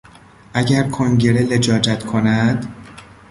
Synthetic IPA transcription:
ʔæɟæɾkʰoŋɟe̞ɾele̞d͡ʒɒːd͡ʒæt̪kʰo̞næd̪̥

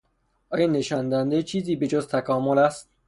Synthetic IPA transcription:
ʔɒːjɒːneʃɒːnd̪ænd̪et͡ʃʰiːziːbe̞d͡ʒozt̪ʰækʰɒːmolæst̪̚

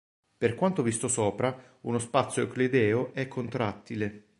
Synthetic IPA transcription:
perkwant̪ovist̪osɔːpɾa | unospat̪sːjoekled̪ɛːoʔɛkʰːont̪ɾat̪ːile

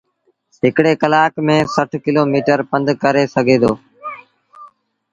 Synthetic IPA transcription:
ɦɪkɽeːkəlaːkmẽːsəʈʰkɪloːmiːʈəɾpə̃nd̪kəɾeːsəɡʱeːd̪oː

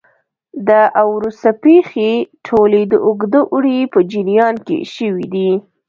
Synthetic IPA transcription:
d̪əʔawɾust̪apexeʈʰoled̪əʔʊɡd̪əʔuɽepəd͡ʒiɾijɑnkḛʃəwid̪i

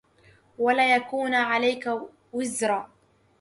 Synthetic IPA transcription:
walaːjakuːnʕalajka | wɪzɾˤaː

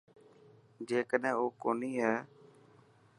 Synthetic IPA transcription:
d͡ʒeːkəɗɛ̃ːoːkoːniːɦɛː

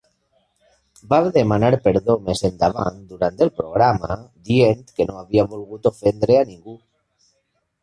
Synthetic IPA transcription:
baβðemanaɾpeɾðomesend̪aβ̞a̰nt̪d̪uɾant̪elpɾoɣ̞ɾama̰d̪ient̪kenoaβiaβolɣut̪ofend̪ɾeaniŋɡu

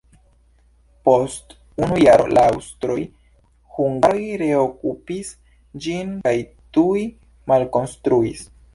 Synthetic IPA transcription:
po̞st | unujaɾo̰lʔaawstɾo̞j | huŋɡajɾe̞okupis | d͡ʒinkajtuj | malko̞nstɾuis

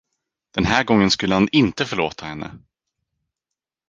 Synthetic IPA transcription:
d̪̥ɛnɦæːɾɡɔŋːənskɵlːəhanɪnt̪əfœɭoːt̪ʰahɛnːʔə̰

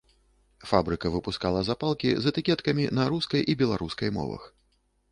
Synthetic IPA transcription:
fabɾɨkɐvɨpuskalˠɐzapalˠkʲḭzɐt̪ɨkʲɛt̪kɐmʲinɐɾuskɐjʔibʲɛlˠaɾuskɐjmɔ̰vɐ̰x

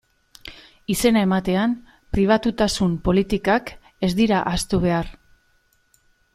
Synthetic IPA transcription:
ise̞nae̞mat̪e̞am | pɾiβ̞at̪ut̪asumpo̞lit̪ikak | e̞zd̪iɾaʔast̪uβ̞e̞ar

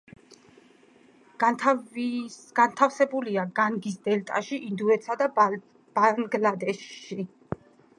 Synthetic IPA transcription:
ɡ̥ant̪ʰafsɛbuliaɡaŋɡis̬d̪ɛlt̪ʼa̰ʃiʔind̪uɛt̪sʰad̪a | b̥aŋɡlad̪ɛʃʃi

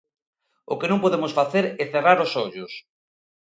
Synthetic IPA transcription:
ʊ̰kenõŋpoðemʊsfaθeɾɛθeraɾosɔʎʊs

